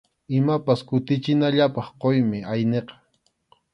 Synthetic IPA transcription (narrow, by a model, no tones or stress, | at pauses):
ɪmapaskʊt̪ɪt͡ʃɪnaʎapɑχqojmɪʔajneqɑ̥